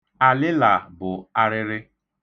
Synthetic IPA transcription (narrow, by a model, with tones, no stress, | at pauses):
a˨lɪ˦la˨bʊ˨a˦ɾɪ˦ɾɪ˦